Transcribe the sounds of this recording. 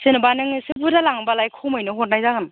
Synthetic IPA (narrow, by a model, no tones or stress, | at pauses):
sɯnɯbanɯŋsɯbudalaŋbalajkʰomɯjnɯɦot̚najzaɡɯn